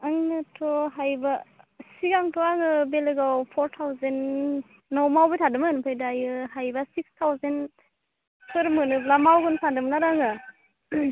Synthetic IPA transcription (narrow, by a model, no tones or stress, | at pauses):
aŋnɯtʰɔɦajbasiɡaŋtʰɔaŋɯbeleɡawpʰɔɾtʰawzenː | ɔwmawbɯtʰadɯmɯnpʰajdajɯhajbasikstʰawzen | pʰɯɾmɯnɯblamawɡɯnpʰandɯmnaɾaŋɯ